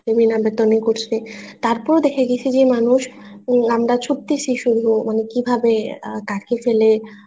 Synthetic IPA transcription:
ebinabet̪onikoɾt͡ɕʰet̪aɾpɔɾod̪ekʰeɡit͡ɕʰid͡ʑemanuʃamɾat͡ɕʰup̚t̪it͡ɕʰiʃuɾumanekibʱabekaɾkifele

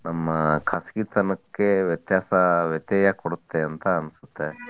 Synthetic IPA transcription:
nɐmːɐkʰaskit̪ɐnɐkːe̞ʋjɐt̪jaːsɐʋjɐt̪jɐːjɐkoɽut̪ːeɐnt̪ɐːnsu̥t̪ːe

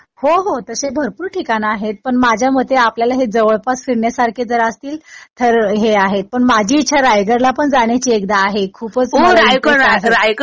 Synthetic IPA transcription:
hoɦot̪əɾsebʱəɾpuːɾʈʰikanaːɦet̪̚pəɳmad͡ʑʱjaməd̪ʱeapljalaɦed͡zəʋəɭpasfiɾɳjasaɾkʰed͡zəɾəst̪iːlt̪ʰəɾɦeaɦet̪̚pəɳmad͡ʑʱiːt̪ːɕʰaɾajɡəɾlapəɳd͡zaɳjat͡ɕiekd̪aːɦekʰuːpət͡soɾajɡəaɾajɡ

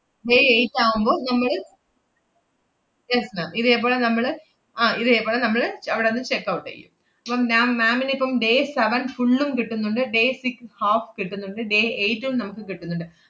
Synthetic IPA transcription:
ɖeːejtːaːɣumbo̞ːnɐmːɐɭ | jesmaːmiðeːpːo̞ːɭenɐmːɐɭ | aːiðeːpːo̞ːɭenɐmːɐɭɐʋiɽenːɨt͡ɕekːɐʋuʈːɐ̰jṵm | ɐpːɐmnaːmːaːminipːɐmɖe̞ːseʋɐnfuɭːumkiʈːunːuɳɖɨɖe̞ːsikshaːfkiʈːunːuɳɖɨɖe̞ːejtːumnɐmukːɨkiʈːunːuɳɖɨ

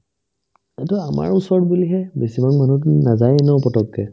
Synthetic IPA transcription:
atuama̰ɹusɔɹɔtbiliɦɛbesibaŋmanutnazajɛnɛɔpɔtɔkːɛ

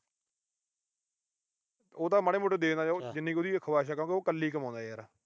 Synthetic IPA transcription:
oːt̪ãːmaɽeːmʊʈːed̪eːnaːd͡ʒɪnːẽːkioːd̪iːkʰəʋaːʃ̬aːkãkeoːkəlːiːkəmãːnd̪aːjɛːɾaː

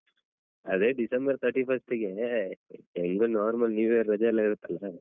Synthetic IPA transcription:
ɐd̪eɖisɐmbɐɾt̪ʰɐɾʈiːpʰɐsʈiɡe | eŋɡonaːɾmɐlniːʋeɐɾɾɐd͡ʒaːlːaːɡiɾut̪ːɐlːa

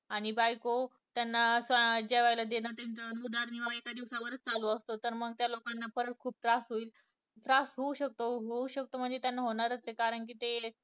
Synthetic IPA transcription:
aɽ̃ibajko | t̪janːasʋad͡ʑeʋajlad̪enat̪ant͡sənud̪aɾniʋaekad̪iʋsaʋəɾət͡st͡saloəst̪ot̪əɾməɡ̚t̪jalokanːafəɾət̪̚kʰuːp̚t̪ɾasɦoiːl | t̪ɾasɦouɕək̚t̪oɦouɕək̚t̪om̤əɳd͡zet̪janːaɦoɽ̃aɾət͡sekaɾəɳk̬iːt̪e

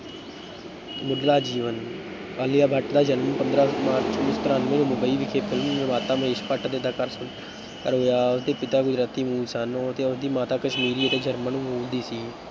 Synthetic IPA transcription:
mʊɖlaːd͡ʒiːʋən | aːlɪjaːbʱəʈd̪aːd͡ʒənmənpənd̪ɾaːmaːɾt͡ʃt͡ʃõːnɪst̪əɾaːnʋẽːnũːmʊbəiːʋɪkʰeːpʰɪlmmaːt̪aːməɦeːʃpəʈd̪eːd̪aːkəɾsʊn | ə̰ɾoːjaːʊsd̪eːpɪt̪aːɡʊd͡ʒɾaːt̪iːmuːlsənt̪eːʊsd̪iːmaːt̪aːkəʃmiːɾiːət̪eːd͡ʒəɾmənũːmuːld̪iːsiː

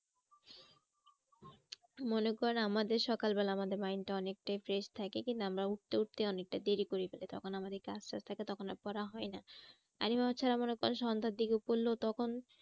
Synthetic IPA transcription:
monekɔɾonamad̪eɾʃɔkalbɛlaamad̪eɾmajnʈaɔnek̚ʈajfɾeʃt̪ʰakekint̪uamɾauʈ̚t̪euʈ̚t̪eɔnek̚ʈad̪eɾikoɾipelet̪ɔ̰kʰonamad̪eɾkasast̪ʰaket̪ɔkʰonapɔɾaɦɔena | a̰ɾimaat͡ɕʰaɾamonekɔɾonʃɔnd̪ʱad̪ikeupoɾlːot̪ɔkʰon

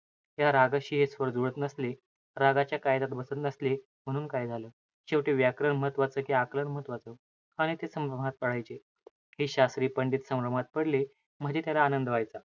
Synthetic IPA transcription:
jaɾaɡaɕiːɦesʋəɾd͡zuɭət̪nəsli | ɾaɡat͡ɕjakajd̪at̪bəsət̪nəsli | m̤əɽ̃uːnkajd͡zʱaləː | ɕeʋʈeʋjakɾəɳməɦət̪ʋat͡səːkiakləɳməɦət̪ʋat͡sə | aɽ̃it̪esəmɾəm̤at̪̚pəɽ̤ajt͡ɕe | hiːɕasɾiːpəɳɖiːt̪səmɾəm̤at̪̚pəɽle | m̤əd͡ʑet̪jalaːnənd̪əʋajt͡sa

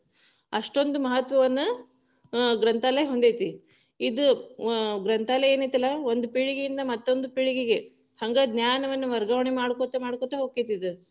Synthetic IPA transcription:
ɐʂʈo̞nd̪umɐɦɐt̪ʋɐʋɐnːu | ɡɾɐnt̪aːlɐɦond̪ejt̪i | id̪u | ɡɾɐnt̪aːlɐeːnit̪ɐlːɐo̞nd̪upiɭiɡijind̪ɐmɐt̪ːo̞nd̪upiɭiɡiɡe̞ | hɐŋɡɐd̪njaːnɐʋɐnːuʋɐɾɡɐʋɐɳimaːɽkot̪ɐmaːɽkot̪ɐɦoːkːet̪id̪u

